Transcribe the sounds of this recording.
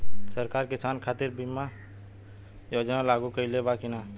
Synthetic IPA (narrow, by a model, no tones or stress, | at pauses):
sɐɾkaːɾkɪsaːnkʰaːt̪ɪɾbima | joːd͡ʒnalaːɡukɐilebaːkɪnaː